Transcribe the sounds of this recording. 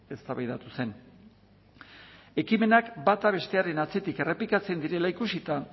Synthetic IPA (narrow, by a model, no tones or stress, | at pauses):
e̞st̪aβajðat̪use̞n | e̞kime̞nakbat̪aβ̞e̞st̪e̞aɾenat͡se̞t̪ike̞re̞plikat͡se̞nd̪iɾe̞laikusit̪a